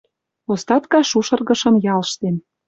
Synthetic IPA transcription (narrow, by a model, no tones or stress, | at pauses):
ost̪ɑt̪kɑʃuʃɤ̆rɣɤ̆ʃɤ̆mjɑlʃt̪en